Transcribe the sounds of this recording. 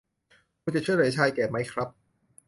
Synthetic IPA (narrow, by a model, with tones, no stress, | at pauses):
kʰuː˧t͡ɕa˨˩t͡ɕʰu˥˩jɾaː˨˩˦t͡ɕʰaː˧jkɛː˨˩ma˦˥jkʰɾa˦˥p̚